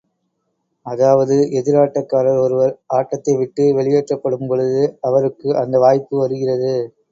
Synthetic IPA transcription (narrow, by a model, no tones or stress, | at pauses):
ɐðaːʋɐðɯʔɛðɪɾaːʈːɐkːaːɾɐɾɔɾɯʋɐɾaːʈːɐt̪ːɐɪʋɪʈːɯʋɛɭɪjeːʈrɐpːɐɽɯmpɔɻɯðɯɐʋɐɾɯkːɯʔɐnd̪ɐʋaːjpːɯʋɐɾɯɣɪrɐðɯ